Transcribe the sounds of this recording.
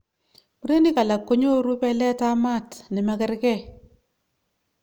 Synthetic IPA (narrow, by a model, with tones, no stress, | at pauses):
mu˦ɾe˦ni˦ka˨la˨kːo˦ɲo˦ɾu˦pɛ˦lɛ˦ta˦ma˦˨tnɪ˨mɛ˦kɪ˦ɾkɛ˦˨